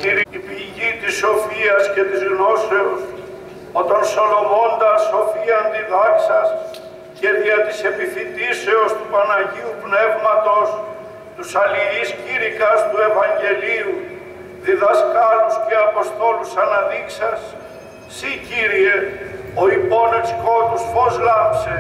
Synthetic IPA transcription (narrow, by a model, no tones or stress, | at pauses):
t̪iɾipiʝit̪iso̞fiɐsce̞t̪izɣno̞se̞os | o̞t̪ɐnso̞lo̞vo̞nd̪ɐso̞fiɐnd̪iðɐksɐs | ce̞ðiɐt̪ise̞piθid̪ise̞o̞st̪uɐnɐʝiupne̞vmɐt̪o̞s | t̪usɐliisciɾikɐst̪ue̞vɐɲɟe̞liu | ðiðɐskɐɾusceɐpo̞st̪o̞lusɐnɐðiksɐsː | iciɾie̞o̞ipo̞neksko̞t̪usfo̞zɣɐpse